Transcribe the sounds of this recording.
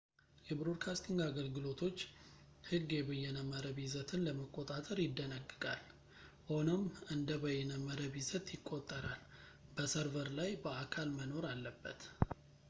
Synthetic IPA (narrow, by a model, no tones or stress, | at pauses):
jɛbɾod̪̚kʰast̪ʰiŋɡaɡəlɡɨlo̞t̪ʰo̞t͡ʃː | hɨɡːjɛbəjɛnəmːəɾəβizət̪ʰɨnləməkʼo̞t̪ʼat̪ʼəɾjɪd̪ːənəɡːɨkʼal | ʔonəmʔɨnd̪əbəjɛnəmːəɾəβizət̪jɪkʼːo̞t̪ʼːəɾalbəsəɾvəɾlajbəakʰalməno̞ɾalːəbːə̰t̪